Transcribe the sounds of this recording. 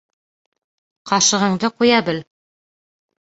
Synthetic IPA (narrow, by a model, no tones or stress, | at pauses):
qɑʃɤ̆ʁɤ̆ɴd̪ɤqujɑbɘl